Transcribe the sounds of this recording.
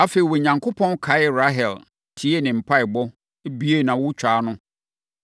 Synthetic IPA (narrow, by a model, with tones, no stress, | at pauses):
a˦fe˨i˨wɔ˨ɲã˨ŋkʰo˦pʰɔ̃˦nkʰa˨˦ɪ˦ɾa˦ɦɛ˨l | tʰi˨˦e˦˨nɪ̃˨m̩˨pʰa˦ɪ˨bɔ˦ | e˦bi˦e˦˨nã˨wʊ˦t͡ɕᶣaː˨˦nʊ̃˦